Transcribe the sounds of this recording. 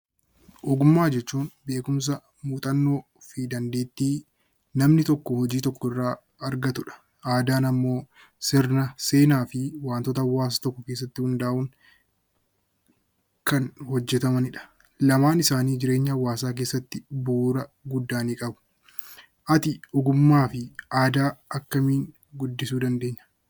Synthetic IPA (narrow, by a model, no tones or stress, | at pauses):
ʔɔɡʊmːaːd͡ʒɛt͡ʃːuːnbe̞ːkʊms̬ɐ | muːt̪ʼɐnːo̞ː | fid̪ɐnd̪eːt̪ːiː | nɐmnɪt̪ɔkːɔhɔd͡ʒiːt̪ɔkːɔɪrːaː | ɐɾɡɐt̪ʊᶑɐ̥ | ʔaːd̪aːnɐmːo̞ː | sɪɾnɐse̞ːnaːfɪwaːnt̪ɔːt̪̬ɐɐwːaːs̬ɐt̪ɔkːɔkeːs̬ːɐt̪ːɪhʊnd̪aːʔʊŋ | kɐnhɔd͡ʒːɛt̪ɐmɐnɪᶑɐ̥ | lɐmaːnɪsaːniːd͡ʒɪɾe̞ːɲːɐɐwːaːsaːk̬e̞ːsːɐt̪ːɪbuːɾɐɡʊd̪ːaːniːkʼɐbʊ̥ | ʔɐt̪ɪʔɔɡʊmːaːfɪʔaːd̪aːɐkːɐmiːŋ | ɡʊd̪ːɪsuːd̪ɐnd̪e̞ːɲːɐ̥